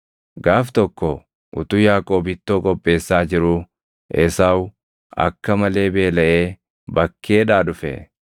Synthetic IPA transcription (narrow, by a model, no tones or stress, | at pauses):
ɡaːft̪ɔkːɔ | ʔʊ̰t̪ʊjaːkʼo̞ːbɪt̪ːoːkʼɔpʼːe̞ːsːaːd͡ʒɪɾʊ | ʔɛsaːw | ɐ̰kːɐmɐle̞ːbe̞ːlɐʔeː | bɐkʰːe̞ːᶑaːᶑʊfɛ̰